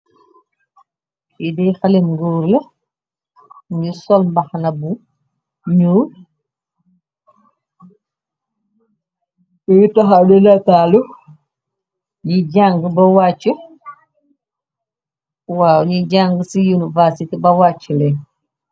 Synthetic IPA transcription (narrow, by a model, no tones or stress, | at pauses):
idɛxɐlimɡuːɾlɐ | ɲisɔlmbɐxnɐbu | ɲuː | jtɐxadɛnatalu | ɲiɟaŋɡbɐwaːt͡ʃːu | waːwɲiɟaŋɡsijunivasitibɐwaːt͡ʃːəlɛ